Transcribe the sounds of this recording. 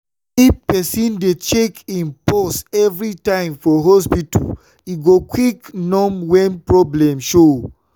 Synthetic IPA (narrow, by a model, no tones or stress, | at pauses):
ipɛsĩndet͡ʃekĩnpɔsɛvɹitãɪ̃mfɔɦɔspitṵl | iɡokwiknɔ̃mwɛ̃npɹɔblɛ̃mʃo